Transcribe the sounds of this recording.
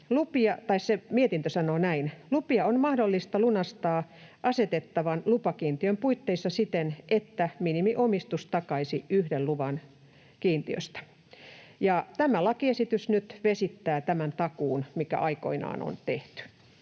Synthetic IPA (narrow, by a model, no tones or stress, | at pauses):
lupiɑt̪ɑissemiet̪int̪øsɑnoːnæinlupiɑonmɑhdolːist̪ɑlunɑst̪ɑːʔɑset̪et̪ːɑʋɑnlupɑkiːnt̪iømpuit̪ːeisːɑsit̪enʔet̪ːæminimiʔomist̪ust̪ɑkɑisiyhdelluʋɑn | kiːnt̪iø̰st̪æ̥ | jɑt̪æmælɑkiesit̪ysnyt̪ʋesit̪ːæːt̪æmænt̪ɑkuːnmikæ̰ʔɑiko̰inɑ̰ːno̰nt̪eht̪y̥